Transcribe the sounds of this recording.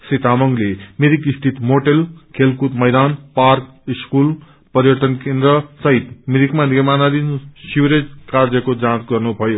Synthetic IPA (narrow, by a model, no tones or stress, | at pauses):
sit̪amʌŋɡlemiɾikist̪ʰit̪moʈelkʰelkut̪mʌjd̪anpark | iskul | pʌɾjʌʈ̪ʌnkend̪ɾʌsʌɦit̪miɾikmanimanad̪insuwɾed͡zkaɾd͡zʌkod͡zãsɡʌrnubʱʌjo